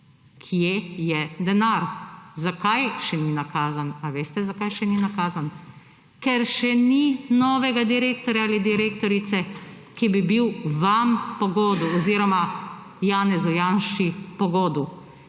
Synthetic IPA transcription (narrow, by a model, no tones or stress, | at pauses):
kʰijejɛd̪ɛnaɾzakajʃɛninakaːzanaʋeːst̪ɛzakajʃɛninakaːzan | kɛɾʃɛninɔːʋɛɡad̪iɾeːkt̪ɔɾjaalid̪iɾeːkt̪ɔɾit̪sɛ | kibibiwʋampɔɡɔːd̪uɔziɾɔma | jaːnɛzɔjaːnʃipɔɡoːd̪u